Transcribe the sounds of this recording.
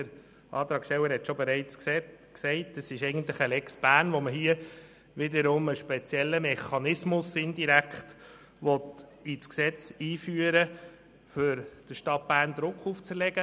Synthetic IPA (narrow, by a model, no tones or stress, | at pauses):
dəɾ | ɑ̰ːt̪ɾɑːksɛwəɾhɛt̪ʃobeɾɛɪt͡ssksɛɪtəsɪʃɛɪɡən̩t̪lɪχəlɛksb̥æːɾnʋoməɦiə | ʋɪdəɾʊməʃpɛt͡sjɛlːəmɛχɑnɪsmʊsɪndiɾækχt | ʋɔt̪it͡sksɛt͡siːfyːəɾə | fʏɾd̥əʃtɑt̚b̥æːrnd̪ɾʊkχuft͡sɾlɛɡə